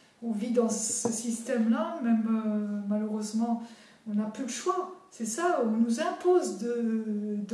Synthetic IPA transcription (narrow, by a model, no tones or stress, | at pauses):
ɔ̃vid̪ɑ̃səsist̪ɛmlamɛmømaløʁøzmɑ̃ | ɔ̃naplyd̪əʃwasɛsaɔ̃nuzɛ̃pozd̪əd̪